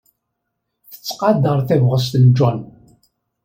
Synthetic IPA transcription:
θə̥t͡sːqɑd̪əɾˤθævʁəs̬t̪ənd͡ʒɔn

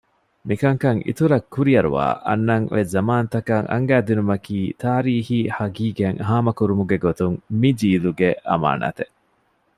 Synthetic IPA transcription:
mikɐŋkɐŋʔḭt̪uɾɐkːuɾiɐɾṵʋa̰ːʔɐ̰nːɐŋʋʔezɐmaːnɐt̪ɐkɐŋʔɐ̰ŋɡæːd̪inumɐkiːt̪aːɾiːhiːhɐɡiːɡeŋɦaːmɐkuɾumuɡeɡot̪uŋmid͡ʒiːluɡeʔʔɐ̰ma̰ːnʔa̰ːt̪e

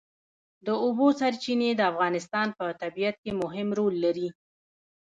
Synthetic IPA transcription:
d̪əobosaɾt͡ʃined̪əafɣɑnɪst̪ɑnpət̪abijat̪̚kemʊɦɪmɾolːaɾi

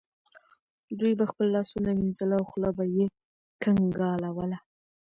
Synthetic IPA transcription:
d̪ujbaxpəlːɑsunaminzəlawxlabaje | kaŋɡɑlawəla

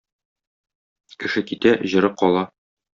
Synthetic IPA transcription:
kɘ̆ʃɘkit̪æʔʑɤ̆ɾɤp̚qɒlˠɑ

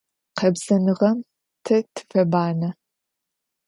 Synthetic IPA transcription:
qɐbz̥ɐnɨʁɐm | tʰɐtʰɨ̥fɐbaːnɐ

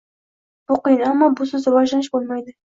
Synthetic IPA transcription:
b̥ʊqɨjɪnamːɒbʊsɵzɾvɒʒlanɪʃbolˠmajd̪ɪ

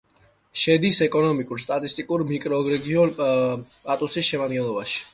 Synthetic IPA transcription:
ʃɛd̪isɛkʼɔnɔmikʼuɾst̪ʼat̪ʼist̪ʼikʼuɾmikʼɾɔːɡɾɛɡiɔnt̪ʼat̪ʼusisʃɛmad̪ɡɛlˠɔbaʃi̥

